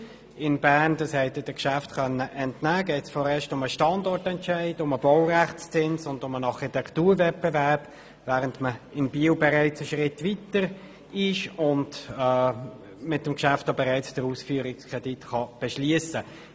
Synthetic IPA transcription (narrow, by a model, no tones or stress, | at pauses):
ɪnbæːʁndɑshɛɪtəd̥əkʃæftkœnːəʔɛntnæːɡɛɪtsfɔːɾɛːʃtʊməʃtɑndɔɾtɛntʃæɪdʊməb̥ɔwræχt͡st͡sɪnsʊndʊmənɑʁχitɛktuːɾvɛt̚bɛvæʁp | væːʁəntməɪnbiəwbɛʁɛɪt͡səʃʁɪtvitəɾ | ɪʃʊnd | mɪtəmkʃæftobɛʁæɪt͡sd̥əɾuːsfyːəɾɪkskʰʁ̥ɛd̥itχɑb̥ɛʃliəsə